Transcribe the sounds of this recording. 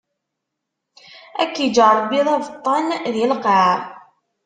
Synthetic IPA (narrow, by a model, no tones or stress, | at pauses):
æ̰kːid͡ʒəɾˤbiðˤɑvt̪ˤːɑnðilqʕa